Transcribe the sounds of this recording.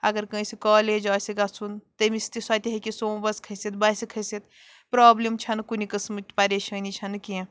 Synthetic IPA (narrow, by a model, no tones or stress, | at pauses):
ɐɡəɾkə̃sikɔːled͡ʒaːsiɡasunt̪ɐmist̪isɐt̪iɦekisobɐskʰɐsit̪bɐsikʰɐsit̪ | pɾaːblimt͡ʃʰɐnkunikəsmɨt̪pɐɾeʃənit͡ʃʰɐnkĩ